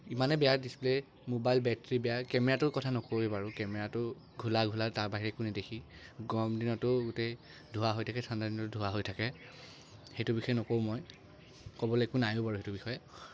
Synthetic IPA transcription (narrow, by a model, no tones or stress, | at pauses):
imanɛbɛjaɹdisple | mobajlbɛtɹibɛjakɛmɛɹatʊkɔtʰanɔkoebaɹʊkɛmɛɹatʊ | ɡʱulaɡʱulataɹbaɦiɹɛkunidekʰiɡɔmdinɔtʊɡʊte | dʱuwaɦojtʰakɛsandadinɔtʊdʱuwaɦojtʰakɛ | xejtʊbixɔjɛnɔkow̃mɔj | kɔbɔlɛekunajʊ̃baɹuɦetʊbixɔjɛ